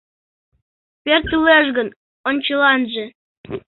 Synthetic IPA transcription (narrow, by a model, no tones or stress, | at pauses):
pʲert̪yleʃɡən | onʲt͡ɕɤlɑnʒĕ